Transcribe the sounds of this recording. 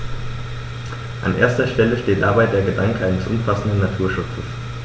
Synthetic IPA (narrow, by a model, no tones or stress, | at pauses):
ʔa̰nʔḛːɐstɐʃtɛləʃteːt̚d̥abaɪdeːɐɡədaŋkəʔaɪnəsʔʊ̰mfasn̩dən̩ːatʰuːɐʃʊt͡səs